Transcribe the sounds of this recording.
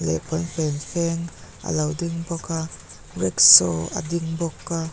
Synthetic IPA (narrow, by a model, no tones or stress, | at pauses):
lɛ̰kɔnfɛnfɛŋʔa̰lɐwdiŋbɔka | rɛksɔa̰dɪŋbɔkːa